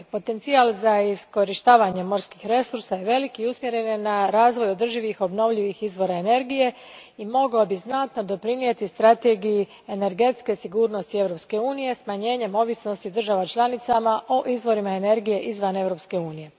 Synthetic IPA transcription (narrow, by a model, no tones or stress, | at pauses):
po̞t̪e̞nt̪sialzaisko̞ɾiʃt̪aːʋaɲe̞mo̞ɾskixɾe̞suɾsaje̞ʋe̞likiusmjeɾe̞nnaɾaːzʋo̞jo̞d̪r̩ʒiʋixo̞bno̞ʋʎiʋixizʋo̞ɾaene̞ɾɡije̞ | imo̞ɡobiznat̪no̞d̪o̞pɾinije̞t̪ist̪ɾat̪e̞ɡiju | ene̞ɾɡe̞t̪ske̞siɡuːɾno̞st̪ie̞ʋɾo̞pske̞uːnije̞smaɲe̞ːɲe̞mo̞ʋisno̞st̪id̪r̩ʒaʋat͡ʃlˠanit̪samaʔo̞ʔizʋo̞ɾimaene̞ɾɡije̞ʔizʋane̞ʋɾo̞pske̞uːnije̞